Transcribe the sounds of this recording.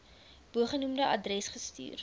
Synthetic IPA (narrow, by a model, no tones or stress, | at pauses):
b̥uəχənumdəʔɐdrɛsχəsty̰ːr